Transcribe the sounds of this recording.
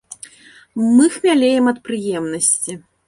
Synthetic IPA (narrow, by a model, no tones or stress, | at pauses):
mɨxmʲalʲejɛmɐt̪̚pɾɨjɛmnɐsʲt͡sʲi